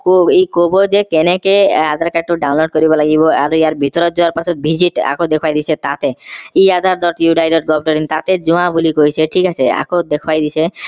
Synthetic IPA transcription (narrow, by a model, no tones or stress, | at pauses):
koekobod͡ʒekenekead̪ʱaɾkaʈ̚ʈːoɖawnloɖ̚kɔɾibɔlaɡibɔaɾuejaɾbʱit̪ɔɾɔd͡ʒuaɾpasʰɔt̪bʱid͡ʑiʈa̰kod̪ekʰowajd̪isʰet̪a̰t̪eiad̪ʱaɾd̪ʱɔɾʈjuɖajɖɔɾ̚ɡɔbɖɔɾint̪at̪ed͡ʒuãbulikojsʰeʈʰikasʰea̰kod̪ekʰwajd̪it͡ɕʰe